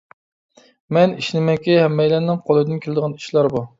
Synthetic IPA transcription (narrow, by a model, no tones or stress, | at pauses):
mɛniʃnɪmɛkʲihɛmːɛjlɛnːɪŋqʰolˠɨjd̪ɨnkʲʰelˠɪd̪ɨəʁɑni̥ʃlˠɑɾbu